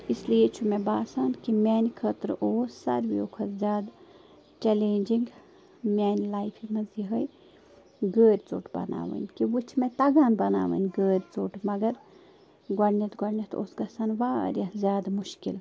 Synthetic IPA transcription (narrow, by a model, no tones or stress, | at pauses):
islijet͡ʃʰumebaːsaːnkimʲɛːnʲkʰət̪ɾoːsːɐ̰ɾʋḭoːkʰɐt̪zʲjaːd̪ | t͡ʃɛleːnʲd͡ʒiŋɡ | mʲɛːnʲlaːjpʰimɐziɦəj | ɡəːɾʲt͡so̰ːʈʰbɐ̰na̰ːʋə̰nʲkiʋut͡ʃʰmẽt̪ɐɡaːnbɐna̰ːʋə̰ːnʲɡəːɾʲt͡soːʈmɐɡɐɾ | ɡɐɽnɐt̪ɡɐɽnʲɐt̪ʰo̰ːsɡɐsaːnʋa̰ːɾʲɐzʲjaːd̪muʃkḭl